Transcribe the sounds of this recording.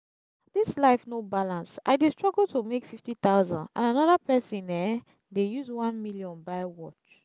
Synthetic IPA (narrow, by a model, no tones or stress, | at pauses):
dislaɪfnobalãnsʔa̰ɪdestɹ̥ɔɡəltʰumekfiftit̪aʊzãndã̰nanɔðapɛsĩnɛ | dejuzwãnmiljɔ̃nbaɪwɔt͡ʃ